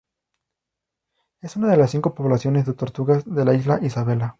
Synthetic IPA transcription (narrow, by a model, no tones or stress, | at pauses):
e̞sunaðe̞lasːiŋko̞po̞βlasjo̞ne̞zðe̞t̪o̞ɾt̪uɣazðe̞laizlaʔisaβe̞la